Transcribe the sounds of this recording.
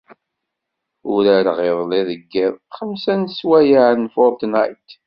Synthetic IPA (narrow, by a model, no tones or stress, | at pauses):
ʊɾæɾʁɪðˤleðəɡːɪðˤχəmsænswæjaʕnfɔɾt̪najt̪